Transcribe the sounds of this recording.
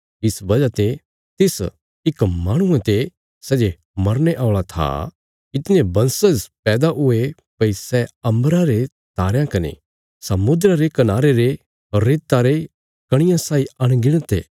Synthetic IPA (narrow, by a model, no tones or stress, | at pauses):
ɪsbɐd͡ʒat̪e | t̪ɪs | ɪkmaːɽ̃ʊ̃ẽt̪e | sɛːd͡ʒe | mɐɾneʔaːʊɭat̪ʰa̰ | ɪt̪ɪnẽbɐ̃nsəzpɛːd̪aɦʊe | pɐisɛɐ̃mbɾãɾe | t̪aːɾjãkɐnḛ | sɐmʊd̪ɾaɾekɐnaːɾeɾe | ɾeːt̪ːaɾe | kɐɽ̃ɪ̃jãsaːiɐɽ̃ɡɪɽ̃t̪ḛː